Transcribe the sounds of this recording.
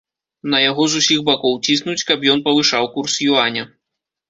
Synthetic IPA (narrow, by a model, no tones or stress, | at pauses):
nɐjaɣɔzusʲiɣbakɔwt͡sʲisnut͡sʲkɐpjɔnpɐvɨʂawkursjuanʲɐ